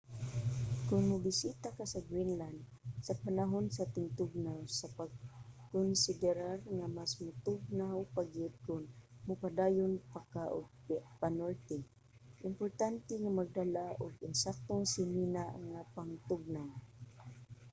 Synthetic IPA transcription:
kʊnmʊbɪsit̪akasaɡwinland̪ | sapanaɦonsat̪ɪŋt̪ʊɡ̚nawsapaɡ̚kʊnsɪd̪ɛɾarŋamasmʊt̪ʊɡ̚nawpaɡɪd̪̚kʊnmʊpad̪aːjʊnpakaʔʊ̰ɡ̚panolt̪ɛ | ʔɪmpʊɾt̪ant̪ɛŋamaɡ̚d̪alaʔʊɡɪnsak̚t̪oŋsɪminaŋapaŋt̪ʊɡ̚naw

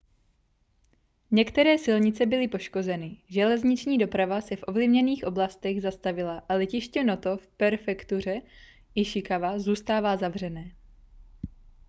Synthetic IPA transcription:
ɲɛkt̪ɛɾɛːsɪlɲɪt͡sɛbɪlɪpo̞ʃko̞zɛnɪʒɛlɛzɲɪt͡ʃɲiːdo̞pɾavasɛfʔo̞vlɪvɲɛniːxʔo̞blast̪ɛɣzast̪avɪlaʔalɛcɪʃcɛnot̪o̞fpɛɾfɛkt̪ur̝ɛ | ʔɪʃɪkavazuːst̪aːvaːzavr̝ɛnɛː

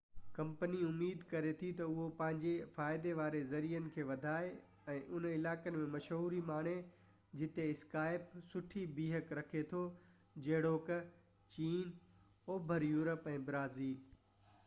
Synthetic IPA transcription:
kɐ̃mpəniʊmːiːd̪kɐɾet̪ʰit̪ɐʊɦopɐ̃ɦɪ̃ɲd͡ʑefaːɪd̪eʋaːɾezɐɾijənɪ̆kʰeːʋɐd̪ʱaːe | ɛ̃ːʔʊnəɪlaːkənɪ̆mẽmɐʃɦuːɾimaːɳ̤̃e | d͡ʑɪt̪eɪskaːɪpsʊʈʰibiːɦəkɾɐkʰet̪ʰo | d͡ʑɐɦɪɽoːk | t͡ɕiːn | oːbʱəɾjuːɾəpɛ̃ːbɾaːziːl

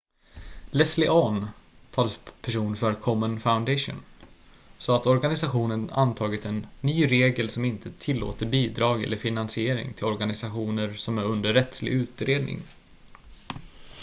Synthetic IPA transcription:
lɛslɪʔɔnt̪ʰɑːləspʰæʂuːnfœɾkʰɔmənfaʊnd̪ɛʂʊ̰n | sɔat̪ɔɾɡanɪsaɧuːnəna̰nt̪ʰɑːɡɪt̪ɛnːyːɾeːɡəlsɔmɪnt̪ʰət̪ʰɪlːo̰ːt̪əɾbiːd̪ɾɑːɡɛ̰lːəɾfɪnansɪeːɾɪ̰ŋt̪ʰɪlɔɾɡanɪsaɧuːnəɾsɔmæɾɵnd̪əɾːɛt̪slɪ̰ɡʉ̟ːt̪ɾeːd̪nɪ̰ŋ

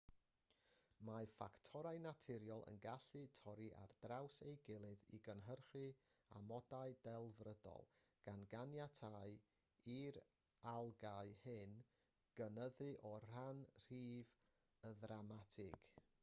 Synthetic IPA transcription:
mafa̰ktʰɔɾajnatʰɪɾjɔlˠə̰nɡaɬɨtʰɔɾiʔa̰rdrawsejɡɪlˠɨðḭɡənɦərχɨ | a̰mɔdaɨdɛlˠvrədɔ̰lˠ | ɡ̥anɡanjatʰaɨ | iɾ | alˠɡaɨhɨn | ɡ̥ənəðɨʔɔr̥anr̥iːv | əðramatʰɪɡ̥

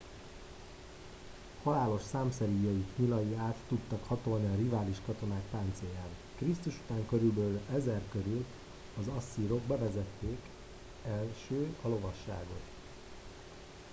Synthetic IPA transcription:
hɒlaːlo̞ʃsaːmsɛɾijɒjikɲilɒjiaːt̪ːut̪ːɒkhɒt̪o̞lniɒrivaːliʃkɒt̪o̞naːk̚paːnt̪sejaːn | krist̪uʃut̪aːŋkø̞ɾylbøːlɛzɛrkøɾyl | ɒzɒsːiɾo̞ɡ̚bɛvɛzɛt̪ːeːk | ɛlʃøːɒlo̞vɒʃːa̰ːɡo̞t̪

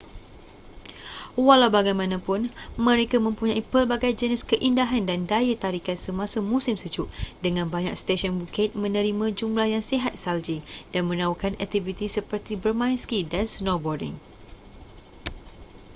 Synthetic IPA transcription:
walawbaɡajmãnãpʊnmə̃ɾekamə̃mpuɲãipərbaɡajd͡ʒəniskəʔindaɦandandajət̪aɾikansəmãsamusimsəd͡ʒuʔdəŋãnbaɲa̰k̚st̪eʃɔnbukɪt̪̚mə̃nə̃ɾimãd͡ʒumlahjaŋseɦat̪̚sald͡ʒid̥anmə̃nãukanɛk̚t̪ivit̪isəpərt̪ibərmãinskidansnɔbɔrdɪ̰ŋ

